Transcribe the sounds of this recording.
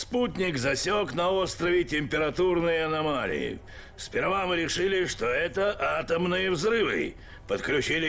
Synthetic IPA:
sputʲnʲɪkzɐsʲoknɐo̞st̪ɾəvʲɪtʲɪmʲpʲɪɾɐt̪urnɨjəɐnɐmalʲɪ̰jɪ̰ | spʲɪrvamɨɾʲɪʂɨlʲɪʂt̪oɛt̪əʔat̪əmnɨjəvzɾɨvɨ̰ | pət̪klʲʉt͡ɕilʲɪ

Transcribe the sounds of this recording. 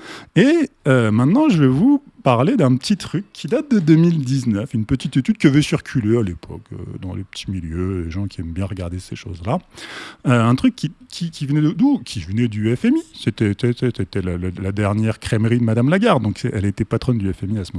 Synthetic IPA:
eømɛ̃t̪nɑ̃ʒəvɛvu | paʁled̪ɛ̃pət̪it̪χykʰːid̪at̪̚d̪əd̪ømild̪iznœfynpət̪it̪et̪yd̪̚kəvɛsyʁkʲʰylealepʰɔ̰kø̰d̪ɑ̰̃lʔepə̥t̪ʰi̥miljødeʒɑ̃kʰʲiɛmbjɛ̃ʁəɡaʁd̪eseʃozla | øɛ̃t̪χykʲːikʲʰikʲivənɛd̪əd̪ukʲʰivənɛd̪yɛfɛmiset̪ɛsɛsɛset̪ɛlallad̪ɛʁnjɛʁkχɛmʁid̪əmad̪amlaɡaʁd̪ɔ̃ksɛʔɛlet̪ɛpat̪χɔnd̪yɛfɛmiasəmɔ

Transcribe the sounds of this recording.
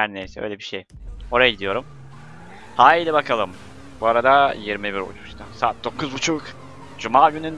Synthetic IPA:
hæɾnejsɛø̰jlʲebiʃej | o̞ɾajaɟid̪ijo̞ɾum | haːilʲɛbakʰalˠɯm | buaɾad̪ajiɾmibiɾo̰t͡ʃʰu̥st̪ʰasaːt̪̚d̪o̞kʰuzbut͡ʃʰuk | d͡ʒumaːɟynyn

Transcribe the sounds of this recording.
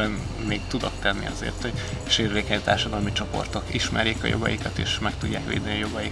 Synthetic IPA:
ɛn | meːkt̪ud̪o̞kt̪ɛnːḭɒzḛːrt̪hoɟ | ʃeːrveːkɛɲt̪aːrʃɒd̪ɒlmit͡ʃo̞po̞̰rt̪o̞kiʃmɛrjeːkɒ̰jo̰ɡɒjikɒt̪ḛːʃmɛkt̪uɟːaːkʋḛːd̪ɛniɒjo̞ɡɒjik

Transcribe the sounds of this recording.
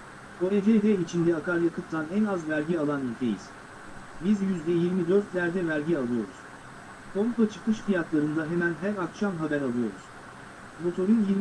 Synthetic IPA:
koɾed͡ʒejd̪ɛit͡ʃʰind̪ɛakaɾjakʰɯpt̪ʰːanɛnazvæɾɟialˠanilʲt̪ʰejḭz̥ | bizjyzd̪ɛjiɾmid̪ø̞ɾt̪lʲæɾd̪ɛvæɾɟialˠɯjo̞̰ɾṵz̥ | kʰomkʰat͡ʃʰɯ̥kɯʃfijat̪lˠaɾɯnd̪aɦemænɦæɾakʃamɦabæɾalˠɯjo̞̰ɾṵz̥ | mo̞t̪ʰo̞ɾinjiɾ

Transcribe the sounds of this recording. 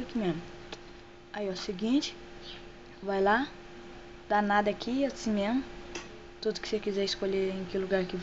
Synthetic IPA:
kɪmẽmmʊ | aiɔsiɡĩt͡ʃɪ̥ | vajla | d̪̥anad̪ɐakʰiasimẽmʊ | t̪ud̪ʊkɪ̥sekizɛɪskoʎeɾẽkɪluɡaɾkɪ

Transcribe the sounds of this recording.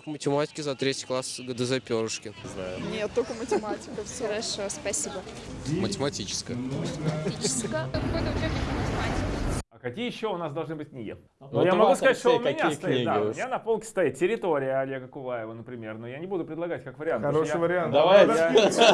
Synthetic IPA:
kmətʲɪmatʲɪ̥kʲɪzɐt̪ɾʲetʲɪ̥jklˠasɡəd̪əzɐpʲoɾʊʂkʲɪzanʲet̪ːokəmətʲɪmatʲɪ̥kəfsʲoɾɐʂoəspɐsʲibəmətʲɪmɐtʲit͡ɕɪ̥skəəmətʲɪmtit͡ɕɪ̥skəpod̪əkʲexʲɪk̪əmətʲɪmatʲɪkʲɪɐkɐkʲijəjɕːoʊnasd̪ɐlˠʐnɨbɨt̚ʲknʲiɡʲɪ̰ | nojamɐɡɡusɐzat̪ːʂt̪onmɪnʲətk̪ɐniiɡd̪aʊmɪnʲanɐpolˠkʲɪ̥st̪ɐjit̪̚ʲtʲɪɾʲɪt̪o̞ɾʲɪjəɐlʲe̞ɡəkʊvajɪvənəpɾʲɪmʲe̞rnojanʲɪbud̪ʊpɾʲɪdlˠɐɡatʲkakvəɾʲɪantɐɾoʂɨvəɾʲɪant̪d̪ɐva

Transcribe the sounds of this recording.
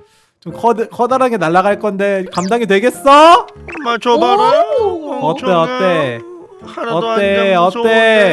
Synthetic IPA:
t͡ɕomkʰʌdɯkʰʌdaɾaɡenaɭːaɣaɭk͈ʌnde̞kamdaŋidwe̞ɡe̞s͈ʌ | ʌtt͈eʌt͈e̞ | ʌt͈eʌt͈e̞

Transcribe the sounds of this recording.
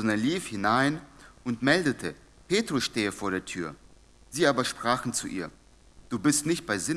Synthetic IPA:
ɔndɐnliːfhɪnaɪnʊntmɛldətʰə | peːtʁ̥ʊsʃteːəfoːɐɾeːɐtʰyːɐ | z̥iːʔaːbɐʃpʁ̥aːχn̩t͡suʔḭːɐ | d̥uːbɪstnɪçt̚b̥aɪzɪ

